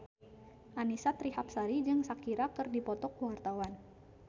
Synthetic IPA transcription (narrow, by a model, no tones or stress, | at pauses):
ʔanisat̪ɾiɦap̚saɾid͡ʒɨŋsakiɾakɨrdipɔt̪ɔkwart̪awan